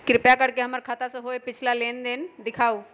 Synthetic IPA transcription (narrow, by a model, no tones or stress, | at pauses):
kɾɪpjakəɽkeɦɐməɾkʰat̪aseɦoːepɪt͡ʃʰlaleːnd̪ɪnd̪ɪkʰaːu